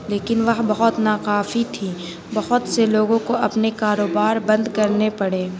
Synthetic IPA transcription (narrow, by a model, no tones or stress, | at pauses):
leːkɪnʋɐɦbɐɦʊt̪naːqaːfit̪ʰiː | bɐɦʊt̪seloːɡõkoɐpnekaːɾoːbaːɾbɐ̃nd̪kɐɾnepɐɽeː